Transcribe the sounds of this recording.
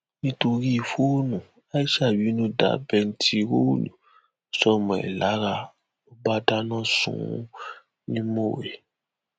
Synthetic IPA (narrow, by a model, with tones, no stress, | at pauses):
nĩ˦to˧ɾi˦˨fo˦o˦nũ˨ | a˦i˦ʃa˦˨wi˨˦nũ˦da̰˨˦bɛ˧n̩˦ti˦ɾo˦˨nṵ̃˨ | sɔ˦˨mɔ̃˨ɛ̰˨la˨˦ɾa˧ | o˦ba˦da˦nã˦˨sṵ̃˨˦ | nĩ˦mo˦˨we˨